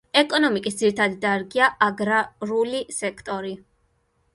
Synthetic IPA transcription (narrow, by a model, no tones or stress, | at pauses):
ɛkʼɔnɔmikʼisd̪ziɾit̪ʰad̪id̪aɾɡiaʔaɡɾaɾulisɛkʰt̪ʼɔɾi